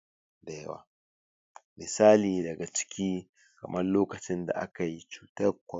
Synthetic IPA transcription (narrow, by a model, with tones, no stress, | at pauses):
bɛ˨wa̰˨ | mɪ˨saː˦liː˨dɐ˨ɡa˨t͡ʃɪ̥˦kʲiː˦ | kɐ̰˨mɐ˦rloː˦kɐ˨t͡ʃɪ˦nda̰˨ʔa˦ka˨ji˦t͡ʃu̥ː˨tɐ˦ɾkʷɔ˨